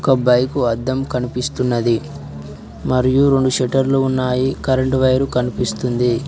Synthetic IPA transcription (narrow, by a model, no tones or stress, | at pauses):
kɐbɐjkuɐd̪ːɐmkɐnipist̪unːɐd̪i | mɐɾijuɾe̞ɳɖuʃeʈɐɾluunːaːjikɐɾɐɳʈʋɐjɐɾukɐnipist̪und̪i